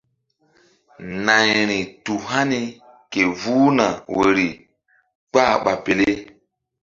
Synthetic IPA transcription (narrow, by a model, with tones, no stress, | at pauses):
na˨ɲɾi˨tu˨ɦa˦ni˦ | ke˨vuː˦na˨we˨ɾi˨ | k͡pa˦˨ɓa˨pe˨le˦e˦